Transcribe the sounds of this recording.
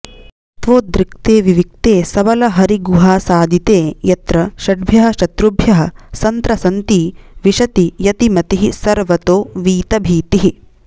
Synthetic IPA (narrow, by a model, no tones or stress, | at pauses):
ɐt̪ʋoːd̪ɾɪk̚t̪eːʋiʋik̚t̪eːsɐʋɐlɐɦɐɾiɡuɦaːsaːd̪it̪eːjɐt̪ɾɐʃɐɖ̚bʱjɐɦɐ̆ʃɐt̪ɾubʱjɐɦɐ̆sɐnt̪ɾɐsɐnt̪iːʋiʃɐt̪ijɐt̪imɐt̪iɦisɐɾʋɐt̪oːʋiːt̪ɐbʱiːt̪iɦi